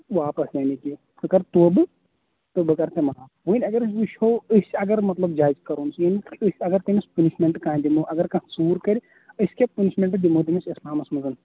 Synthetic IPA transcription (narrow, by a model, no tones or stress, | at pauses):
ʋaːpɐsjaːniki | kɨkɐɾt̪oːbɨ | t̪ɨbɨkɐɾt̪emaː | ʋɨnʲɐɡɐɾsɨʃʲhoːɨsʲɐɡɐɾmɐt̪lɐbd͡ʒaːizkɐɾuːnsjaːnikiɨsʲɐɡɐɾt̪imispɐniʃmʲeɳʈkãːd̪imuʔɐɡɐɾkɐ̃suːɾkɐɾʲi | ɨsʲkʲepuniʃmʲeɳʈd̪imuːd̪imisislaːmɐsmɐzɨn